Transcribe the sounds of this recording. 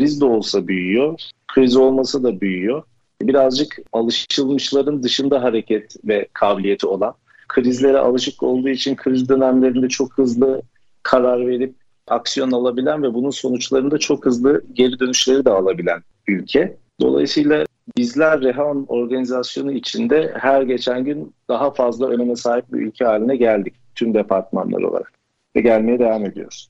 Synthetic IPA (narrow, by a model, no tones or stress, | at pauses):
kʰɾizd̪ɛo̞lˠsabyjyjo̞kʰɾizio̞lˠmasad̪abyjyjo̞ | ɛbiɾazd͡ʒɯkalˠɯʃɯlˠmɯʃlˠaɾɯnd̪ɯʃɯnd̪aɦaɾe̞cʰɛt̪vɛkʰaːbilʲije̞t̪ʰio̞lˠan | kʰɯɾizlʲe̞ɾɛ̰ʔa̰lˠɯʃɯko̞̰lˠd̪uːit͡ʃʰinkʰɯɾizd̪ø̞næmlʲe̞ɾind̪ɛt͡ʃʰo̞khɯzlˠɯ | kʰaɾaɾve̞ɾip̚ | aksijo̞nalˠabilʲænvɛbununso̞nut͡ʃlˠaɾɯnd̪at͡ʃʰo̞khɯzlˠɯɟe̞ɾid̪ø̞nyʃlʲe̞ɾid̪ɛalˠabilʲæn | ylʲcʰɛ | d̪̥o̞̰lˠa̰jɯsɯjlˠa | bizlʲæɾːeɦono̞ɾɡanizasjo̞nuit͡ʃʰind̪ɛhæɾɟe̞t͡ʃʰænɟynd̪̥aɦafazlˠaʔøne̞mɛsaːɦip̚bḭʔy̰lʲcʰɛɦaːlʲinɛɟælʲd̪ic̚t̪ʰymd̪epʰaɾt̪ma̰nlˠa̰ɾɯo̞̰lˠa̰ɾa̰k | vɛɟælʲme̞jɛd̪evame̞d̪ijo̰ɾ̥